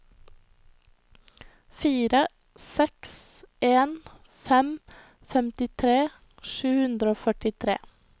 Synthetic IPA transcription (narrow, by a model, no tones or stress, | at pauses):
fiːɾə | sɛksʔeːn | fɛm | fɛmt̪ɪt̪ʰɾeː | ʃʉːhʉnd̪ɾəoːfœʈɪt̪ʰɾḛː